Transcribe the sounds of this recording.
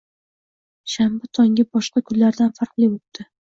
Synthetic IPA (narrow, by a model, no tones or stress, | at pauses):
ʃambat̪ʰɒŋʲabɒʃqɑkʰʊnlaɾd̪anfaɾqlˠiot̪ːɪ